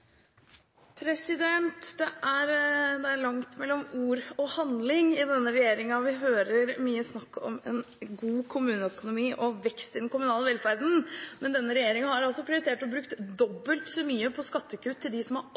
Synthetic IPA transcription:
pʰɾɛsɪd̪ɛnt̪d̪ɛʔæɾd̪ɛæɾɭɑŋt̪mɛlːɔmuːɾɔhɑnd̪lɪŋɪd̪ɛnːəɾɛjeːɾɪŋɑʋɪɦøːɾəɾmyːəsnɑkːɔ̰mɛ̰n | ɡuːkʰʊmʉːnəœkʊnʊmiːʔɔʋɛkst̪ɪd̪ɛn̩kʊmʉnɑːləʋɛlfæɾd̪n̩mɛnd̪ɛnːəɾɛjeːɾɪŋɑhɑɾɑlsɔpʰɾɪʊɾɪt̪ʰeːʈɔbɾʉkt̪d̪ɔbːəlt̪sɔmyːəpʰɔskɑt̪ʰːəkʉːt̪ʰːɪld̪ɪsɔmhɑɾ

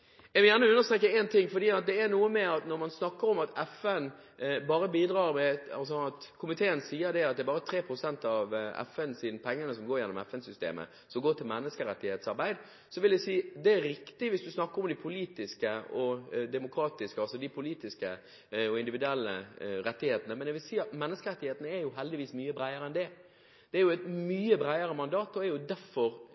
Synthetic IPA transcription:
ɛʋɪljæːʁnəʉnːəɾst̪ɾeːkːəɛnt̪ʰɪŋːfɔɾd̪iːɑt̪̚d̪ɛːɾnuːəmɛɑt̪nɔɾmɑnsnɑkːəɾɔmɑt̪ʰɛfɛn | bɑːɾəbiːd̪ɾɑːɾmɛɑ̰ls̬ɔɑt̪kʰʊmɪt̪ʰeːənsiːəɾd̪ɛɑt̪̚d̪ɛbɑːɾət̪ʰɾeːpʰɾʊsɛnt̪ɑʋɛ̰fɛnsiːnəpʰɛŋːənəsɔmɡoːɾjɛnːɔmɛfɛnsʏst̪ḛːmə̰ | sɔmɡoːʈ̪ʰɪlmɛnːəskəɾɛt̪ːɪheːt̪sɑɾbæɪd̪ | sɔʋɪld̪æɪsiːd̪ɛæɾɾɪkt̪ɪʋɪsd̪ʉsnɑkːəɾɔmd̪ɪpʰʊliːt̪ɪskəɔd̪ɛmʊkʰɾɑːt̪ɪskəɑlsɔd̪ɪpʰʊliːt̪ɪskə | ɔɪnd̪ɪʋɪd̪ʉɛlːə̰ɾɛt̪ːɪheːt̪ənəmɛnɛʋɪlsiːɑt̪mɛnːəskəɾɛt̪ːɪheːt̪ənəæjʊɦɛld̪ɪʋiːsmyːəbɾæɪəɾəɛnd̪ɛ | d̪̥ɛæɾjʊɛt̪myːəbɾæɪəɾəmɑnd̪ɑːt̪ɔæɾjʊd̪æɾfɔɾ

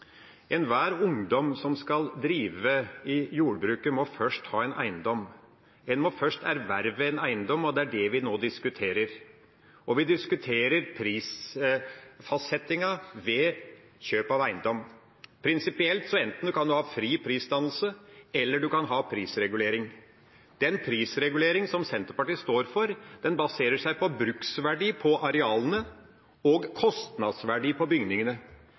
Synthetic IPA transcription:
ɛnʋæːɾʊŋd̪ɔmsɔmskɑld̪ɾiːʋəɪjuːɖbɾʉːkəmɔfœʂʈhɑːɛnʔæ̰ɪnd̪ɔm | ɛnmɔfœʂʈæɾʋæɾʋəɛnæɪnd̪ɔmɔd̪ɛæɖɛʋɪnoːd̪ɪskʉt̪ʰeːɾəɾ | ʔɔʋɪd̪ɪskʉt̪ʰeːɾəɾpʰɾiːs | fɑsɛt̪ɪŋɑʋɛː | çøːpɑʋæɪnd̪ɔm | pʰɾɪnsɪpɪɛlt̪sɔɛnt̪n̩d̪ʉkʰɑnd̪ʉhɑːfɾiːpʰɾiːsd̪ɑnl̩səɛlːəɖʉkɑnɦɑːpʰɾiːsɾɛɡʉleːɾɪŋ | d̪̥ɛnpʰɾiːsɾɛɡʉleːɾɪŋsɔmsɛnt̪əɾpɑʈiːst̪oːɾfɔɾd̪̥ɛnbɑseːɾəʂæɪpɔbɾʉksʋæɖiːpʰɔʔɑɾɛɑːlənə | ɔɡkʰɔst̪nɑd̪sʋæɖiːpʰɔbʏŋnɪŋənə

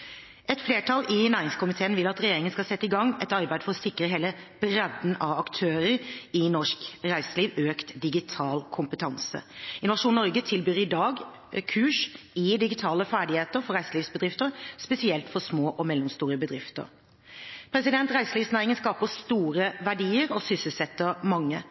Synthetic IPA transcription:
ɛt̪fleːʈʰɑlʔɪnæːɾɪŋskʰʊmɪt̪ʰeːənʋɪlːɑt̪ɾɛjeːɾɪŋənskɑlsɛt̪ːəɪɡɑŋːɛt̪ɑɾbæɪd̪fɔʁɔsɪkːɾəɦeːləb̥ɾɛd̪n̩ʔɑʋɑkt̪ʰøːɾəɾɪnɔʂkɾæɪsəliːʋøːkt̪d̪ɪɡɪt̪ʰɑːlkʰʊmpət̪ʰɑnsə̰ɪnʊʋɑʂuːnɔʁɡət̪ʰɪlbyːɾɪd̪ɑːɡ | kʰʉːʂ | ɪd̪ɪɡɪt̪ʰɑːləfæːɖɪheːt̪əɾfɔɾæɪsəliːʋsbəd̪ʁɪft̪əɾspɛsɪɛlt̪fɔsmoːʔɔmɛlːɔmst̪uːɾəbəd̪ɾɪft̪ə̰ɾ | pʰɾɛsɪd̪ɛnt̪ɾæɪsəliːʋsnæːɾɪŋənskɑːpəst̪uːɾəʋæɖiːəɾɔsʏsəlsɛt̪ːəɾmɑŋːə

